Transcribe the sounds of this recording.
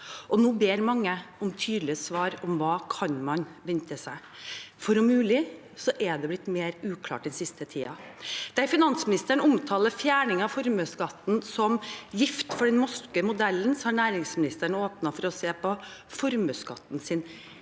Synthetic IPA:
ʔɔnuːbeːɾmɑŋːəɔmt̪ʰyːd̪lɪəsʋɑːɾɔmʋɑːkʰɑnmɑnʋɛnt̪əsæɪ | fɔɾʊmʉːlɪ | sɔʔɛd̪ɛblɪt̪ːmeːɾʉːkʰlɑ̰ːʈ̚d̪ɛnsɪst̪ət̪ʰḭːɑd̪̥æɪfɪnɑnsmɪnɪst̪əɳəʊmt̪ʰɑːləɾfjæːɳɪŋɑfɔɾmøskɑt̪ːn̩sɔmjɪft̪fɔɖɛnmɔskəmʊd̪ɛlːənsɔhɑɳæːɾɪŋsmɪnɪst̪æɳəoːpnɑfɔɾɔseːpʰɔfɔɾmøːskɑ̰t̪ːnsɪn

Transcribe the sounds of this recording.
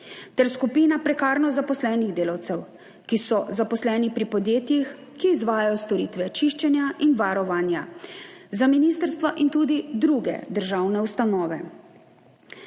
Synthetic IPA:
t̪ɛɾskupiːnapɾɛkaːɾnɔzapɔslɛːniɣd̪eːlawt̪sɛw | kisɔzapɔslɛːnipɾipɔd̪jeːt̪jix | kiːzʋaːjajɔst̪ɔɾiːt̪ʋɛt͡ʃiʃt͡ʃɛnjaʔinʋaɾɔʋaːnja | zaminist̪əɾst̪ʋaʔint̪uːd̪id̪ɾuɡɛ̰d̪əɾʒawnɛwst̪anɔːʋɛ

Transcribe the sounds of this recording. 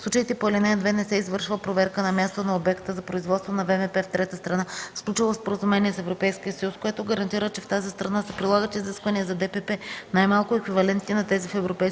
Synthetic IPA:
slˠut͡ʃəit̪ɛpoɛlɛnɛd̪vɛnɛsɛizvɤɾʃvəpɾovɛɾkənɐmʲjast̪onɐobɛkt̪əzɐpɾoizvɔt̪st̪vonɐvɛvɛpɛft̪ɾɛt̪əst̪ɾɐnasklʲut͡ʃilˠospoɾəzumɛniɛsɛvɾopɛjskʲiəsəjuskoɛt̪oɡəɾɐnt̪iɾət͡ʃɛft̪azist̪ɾɐnasɐpɾilˠaɡət̪iːziskvɐniəzɐd̪ɛpɛpɛnajmalˠkʊɛkvivɐlɛnt̪ninɐt̪ɛzifɛvɾopɛjs

